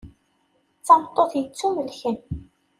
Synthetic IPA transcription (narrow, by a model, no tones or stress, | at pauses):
t͡sːɑmt̪ˤːoθjət͡sːuməlçən